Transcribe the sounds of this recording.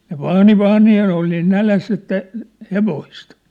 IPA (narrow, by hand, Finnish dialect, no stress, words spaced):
ne ʋɑːni ʋɑːni jɑ ne ol niːn nælæsː etːæ heʋoist